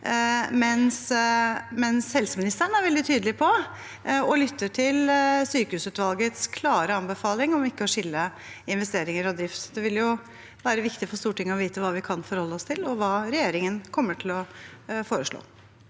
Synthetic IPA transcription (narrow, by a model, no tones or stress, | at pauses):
mɛns | mɛnshɛlsəmɪnɪst̪əɳ̩æɾʋɛld̪ɪt̪ʰyːd̪əlɪpʰɔ | ɔlʏt̪ʰːəʈʰɪlsyːkəhʉːsʉːt̪ʋɑlɡət̪skʰlɑːɾəɑnbəfɑːlɪŋɔmɪkːəɔʂɪlːə | ɪnʋɛst̪eːɾɪŋəɾɔd̪ɾɪft̪d̪ɛʋɪljʊ | ʋæːɾəʋɪkt̪ɪfɔʂst̪uːʈʰɪŋːəɔʋiːt̪əʋɑːʋɪkʰɑnfɔɾhɔlːəɔst̪ʰɪlɔʋɑːɾɛjeːɾɪŋənkʰɔmːəʈʰɪlɔfoːɾəʂɭo̰ː